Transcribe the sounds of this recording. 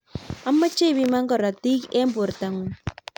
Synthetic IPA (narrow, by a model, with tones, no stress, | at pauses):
a˦mːa˦t͡ʃe˦bi˦ma˦ŋɡɔ˨ɾa˨t̪i˦ke˦mbo˨ɾt̪a˨ŋu˨